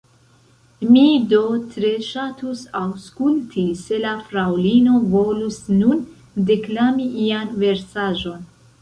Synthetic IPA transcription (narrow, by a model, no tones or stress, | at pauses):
mido̞tɾe̞ʃatusawskultʰise̞lafɾawlino̞vo̞lusnun | de̞klamiʔianve̞ɾsaʒo̞n